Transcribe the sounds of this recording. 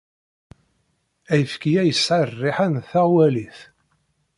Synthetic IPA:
æjəfkijæjəsʕarːiħænθæʁwæliθ

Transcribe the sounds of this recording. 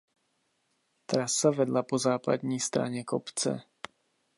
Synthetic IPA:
t̪ɾasːaʋɛd̪lapɔzaːpa̰d̪ɲist̪ɾa̰ɲɛkɔpt͡sɛ̰

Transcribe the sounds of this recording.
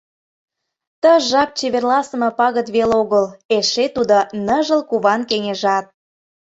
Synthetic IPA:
t̪əʒɑp̚t͡ɕeβerlɑsəmɤ̆pɑɣə̆t̪βeloɣəleʃet̪ud̪onəʒə̆lkuβɑnkeŋeʒɑt̪̚

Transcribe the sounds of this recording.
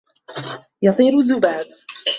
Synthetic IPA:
jɑt̪ˤiːɾʊðːʊbaːb

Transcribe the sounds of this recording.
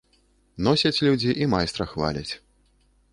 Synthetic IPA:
nɔsʲɐt͡sʲlʲud͡zʲiʔimajst̪ɾɐxva̰lʲɐ̰t͡sʲ

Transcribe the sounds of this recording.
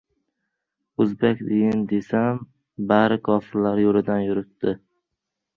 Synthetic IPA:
ɵzbekʲd̪ɪjɪnd̪esam | baɾɪkʰɒːfɪɾlaɾjolɪd̪anjʊɾɪt̪ːɪ

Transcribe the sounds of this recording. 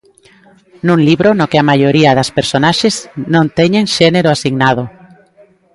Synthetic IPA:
nũŋliβɾonokɪamajoɾiɐðɐspeɾsonaʃeznõnt̪ɛɲẽŋʃɛneɾoasiɣnað̞ʊ

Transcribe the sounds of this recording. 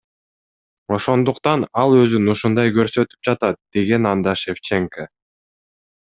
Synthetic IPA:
o̞ʃo̞nd̪uqt̪ɑnɑlˠø̞zynuʃund̪ɑjkø̞ɾsø̞t̪y̥p̚d͡ʒɑt̪ɑt̪̚d̪̥e̞ɡe̞nɑnd̪ɑʃeft͡ʃeŋkə

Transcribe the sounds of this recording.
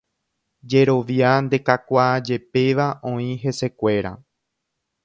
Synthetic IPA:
d͡ʒe̞ɾo̞ʋjand̪e̞kakʷad͡ʒe̞pe̞ʋaʔõ̞ĩɦe̞se̞kʷe̞ɾa̰

